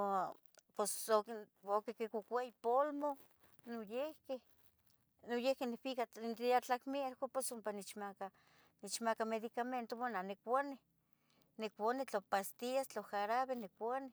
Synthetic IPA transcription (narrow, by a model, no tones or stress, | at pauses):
posokokekekukʷaipolmo | nojehkeh | nojehkenefikat̪iat͡ɬakmieɾkoposumpanet͡ʃmaka | net͡ʃmakameðikament̪owananekʷane | nekʷanet͡ɬopast̪iast͡ɬoxaɾaβenekʷane